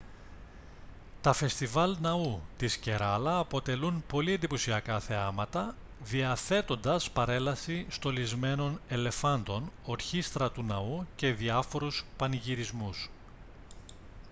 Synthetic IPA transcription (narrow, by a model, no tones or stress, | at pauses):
t̪ɐfe̞st̪ivɐlnɐut̪isce̞ɾɐlɐːpo̞t̪e̞lunpo̞liend̪iposiɐkɐθeɐmɐt̪ɐ | ðiɐθe̞t̪o̞nd̪ɐspɐɾe̞lɐsist̪o̞lizme̞no̞ne̞le̞fɐnd̪o̞no̞ɾçist̪ɾɐt̪unɐuce̞ðiɐfo̞ɾuspɐniʝiɾizmus